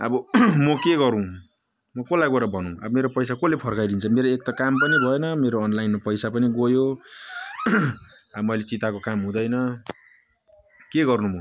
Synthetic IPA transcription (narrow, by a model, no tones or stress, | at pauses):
ʌ̰bʌmʌkeɡʌɾũ | mʌkolajɡoɾʌbʱʌnũʌ̰bʌmeɾopʌjsakolepʰʌrkajd̪int͡sʰʌmeɾoek̚t̪akampʌnibʱʌjenʌmeɾoːnlajnmapʌjsapʌniɡojo | amʌjlet͡sit̪akokamɦũd̪ʌjnʌ | keɡʌrnumʱõ